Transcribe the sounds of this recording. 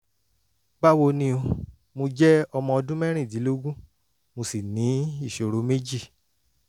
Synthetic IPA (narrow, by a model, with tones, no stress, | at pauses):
ɡ͡ba˦wo˧nĩ˧o˧ | mo˧d͡ʒɛ˦ɔ˧mɔ̃˧ɔ˧dũ˦mɛ̃˦ɾ̃ĩ˦˨dĩ˨˦lo˦ɡũ˦ | mo˧si˨nĩ˨˦i˦˨ʃo˨ɾo˨˦me˦d͡ʒi˦˨